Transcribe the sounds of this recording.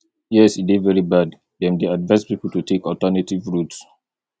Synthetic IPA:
jɛsidivɛɹibad | dɛ̃mdeadvãɪspipl̩tutʰekɔtənetivɹuts

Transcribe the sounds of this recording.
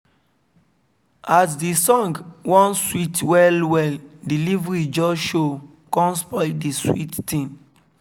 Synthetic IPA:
as̬disɔ̃ŋɡwɔ̃nswitwɛlwɛldilivɹid͡ʒɔsʃo | kɔ̃nspɔdiswḭtːĩn

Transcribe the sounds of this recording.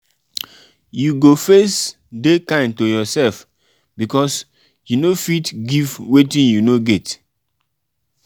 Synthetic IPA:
juɡofes | dekãɪ̃ntojɔsɛlf | bikɔs | junofitɡivwetĩnjunoɡet

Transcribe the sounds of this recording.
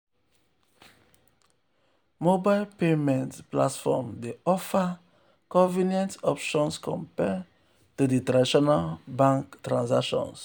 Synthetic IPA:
mobaɪlpemɛ̃ntpla̰tfɔ̰mdeɔfa | kɔ̃vinjɛ̃ntɔpʃɔ̃nskʰɔ̃mpɛ | tuditɾadiʃɔnalbãŋktɹãnsakʃɔ̰̃ns

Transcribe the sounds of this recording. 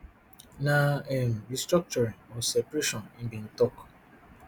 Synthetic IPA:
naɛnɹistɾɔk̚t͡ʃɔɾĩŋɔsɛpɾeʃɔ̃nĩn̩bĩn̩tɔk

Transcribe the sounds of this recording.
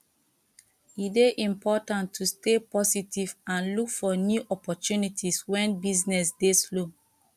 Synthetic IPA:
ideʔĩmpʰɔtãntʰːustepɔsitʰivãnlukfɔnjuʔɔpɔtunitʰiswɛ̃nbiznɛsdeslo

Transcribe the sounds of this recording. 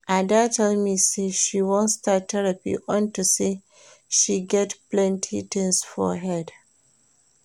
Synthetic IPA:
ʔaɪdatʰɛlmiseʃiwõntstatʰːɛɹapḭʔɔ̃ntusi | ʃiɡɛtplɛ̃ntʰḭtɪ̃ŋsfɔ̰ɦɛd

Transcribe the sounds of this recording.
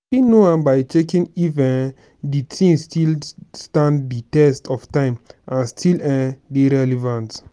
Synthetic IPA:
inoãnbaɪtekĩnivɛ̃n | ditʰĩŋstʰilstãndditɛstɔftãɪ̃mʔãnstʰilɛ̃deɾɛlɛvãnt

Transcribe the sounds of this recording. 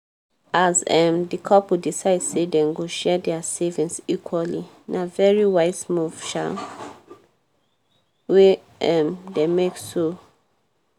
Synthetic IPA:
azɛmdikʰɔpudisaɪdsedɛ̃nɡoʃɛdɛasevĩnsikʰwali | navɛɹiwaɪsmuvʃa̰ | we | ɛmdemekso

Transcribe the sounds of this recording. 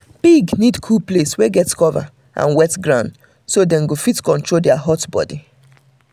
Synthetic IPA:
b̥iɡnidkʰuplesweɡɛtskɔva̰ | ʔã̰nwɛtɡɹãʊ̃nd | sodɛ̃nɡofitkɔ̃ntɹoldɛaɦɔtbɔ̰di

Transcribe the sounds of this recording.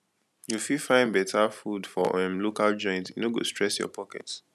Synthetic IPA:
jufifãɪ̃nbɛtʰafudfɔ̰ɛ̃mlokald͡ʒɔ̃jɪ̃ntjunoɡo̰stɹɛsjɔ̰pʰɔkɛ̰ts

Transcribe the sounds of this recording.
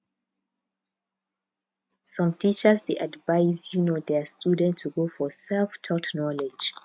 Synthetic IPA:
sʌ̃mtʰit͡ʃəsdeʔadvaɪzjunodɛstʰudɛ̃ntʰːuɡofɔsɛlftʰɔtʰnɔlɛd͡ʒ

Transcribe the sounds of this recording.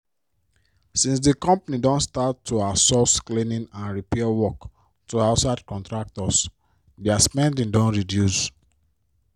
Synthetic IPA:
sĩns̬dikɔ̃mpanidɔ̃nstatʰːuasɔsklĩnĩnãnɹipɛawɔk | tuaʊtsadkɔ̃ntɹak̚tɔs | dɛaspɛ̃ndĩndɔ̃nɹidjus

